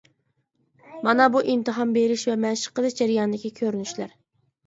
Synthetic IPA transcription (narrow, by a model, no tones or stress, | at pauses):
mɑnɑbuʔimt̪ɨɦɑmbeɾɪʃvɛmɛʃɪ̥qːəd̪ɨʃd͡ʒæɾijɑnɨd̪ɪkʲːikʲʰøɾynyʃlæɾ